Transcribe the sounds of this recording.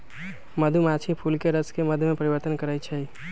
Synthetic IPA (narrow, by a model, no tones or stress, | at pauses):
məd̪ʱumat͡ʃʰipʰulkeɾəskeməd̪ʱjmepəɾibəɾt̪ənkəɾət͡ʃʰɛi